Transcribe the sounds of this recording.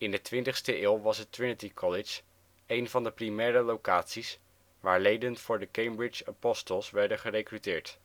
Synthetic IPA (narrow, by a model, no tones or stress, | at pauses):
ɪndətʋɪntəχstəʔɪːlˠʋɑsətɹɪnətikʰɔlɪt͡ʃ | ejnvɑndəprimɛːɾəlowkaːtsis | ʋaːɹlejdənfʊːɹdəkejmbɹɪt͡ʃapɔstəlˠsʋɛɹdənχərejkrytɪːɹt